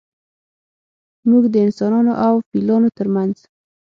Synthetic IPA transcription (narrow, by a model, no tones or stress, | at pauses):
muɡd̪əɪnsɑnɑnoʔawfilɑnot̪əɾmanz̥